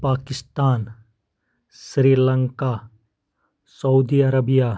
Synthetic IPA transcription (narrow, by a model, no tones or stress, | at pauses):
paːkɪst̪aːn | sɾiːlə̃ŋka | sɐud̪iɐɾəbija